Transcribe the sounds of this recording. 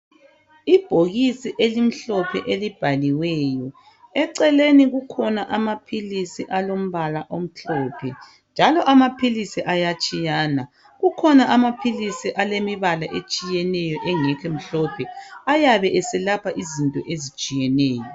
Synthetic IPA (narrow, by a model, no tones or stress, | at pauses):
ib̥ʱoɣisiʔelim̩ɬɔpʰɛʔelib̥ʱaliwɛːjɔ | ɛǀɛleniɣukʰɔnaʔamapʰilisiʔalom̩βalaʔom̩ɬɔːpʰɛ | nd͡ʒʱalɔʔamapʰilisiʔajat͡ʃʼijaːna | ɣukʰɔnaʔamapʰilisiʔalemiβalaʔet͡ʃʼijɛnɛjɔʔɛŋɛkʰɛm̩ɬɔpʰɛajaβɛʔɛsɛlapʰaʔizintʼɔʔezit͡ʃʼijɛnɛːjɔ